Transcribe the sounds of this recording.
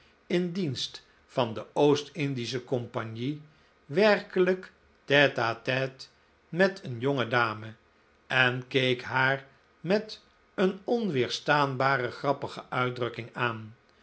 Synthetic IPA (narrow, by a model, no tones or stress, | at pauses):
ɪndinst | fɑndəowstɪndis̬əkɔmpaɲi | ʋɛɹkələk | tɛtaːtɛt | mɛtʰənjoŋədaːmə | ɛnkejkɦaːɹ | mɛt | ənɔnʋɪːɹstaːnbaːrəχrɑpəχəʔœɥdrɵkɪŋaːn